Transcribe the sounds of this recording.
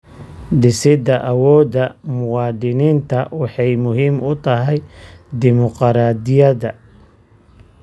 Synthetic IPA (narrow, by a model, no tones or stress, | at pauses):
ɖ̪ɪsɪd̪ɐʔɐwɔːd̪ɐmʊwɑːd̪ɪniːnt̪ʰɐwɑħɑjmʊɦiːmʊt̪ʰɐɦɛjd̪ɪmɔqɾaːd̪ɪjɐdɐ